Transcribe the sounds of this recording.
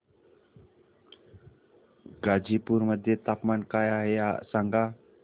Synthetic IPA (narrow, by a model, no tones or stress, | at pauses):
ɡad͡ʒipʊrməd̪it̪ap̚mankajaɦejaʔsaŋɡa